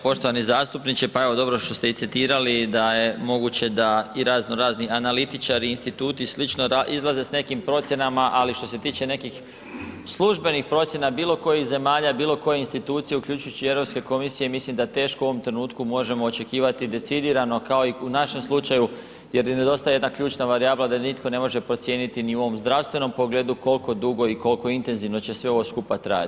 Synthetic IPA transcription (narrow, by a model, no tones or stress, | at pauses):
po̞ʃt̪oanizaːst̪upnit͡ɕepae̞ʋo̞d̪o̞bɾoʃt̪o̞st̪eit̪sit̪iːɾalid̪aje̞mo̞ɡut͡ɕe̞d̪aiɾazno̞ɾaːznianalit̪it͡ʃaɾiːnst̪it̪uːt̪islit͡ʃnoɾaʔizlˠaze̞sne̞kimpɾo̞t̪sʲjenamaʔaliʃt̪o̞se̞t̪iːt͡ɕe̞ne̞kix | slˠuʒbe̞nixpɾo̞t̪sje̞nabiːlˠo̞ko̞jixze̞maːʎabiːlo̞ko̞je̞inst̪it̪uːt̪sije̞ukʎʲut͡ʃujut͡ɕie̞vɾopske̞ko̞misijemislimd̪at̪e̞ːʃkouoʋo̞mt̪ɾe̞nuːt̪kumo̞ʒe̞mo̞ːt͡ʃe̞kiːʋat̪id̪e̞t̪sid̪iːɾano̞kao̞iunaʃe̞mslˠut͡ʃaju | je̞ɾjene̞d̪o̞st̪ajee̞d̪nakʎʲuːt͡ʃnaʋaɾijaːblad̪anit̪ko̞ne̞mo̞ʒe̞pɾo̞t̪sje̞ːnit̪iniuo̞ʋo̞mzd̪ɾaʋst̪ʋe̞no̞mpoɡle̞d̪uko̞lˠko̞d̪uɡo̞iko̞lko̞int̪e̞nziʋno̞t͡ɕe̞sʋe̞o̞ʋo̞skupat̪ɾa̰ja̰t̪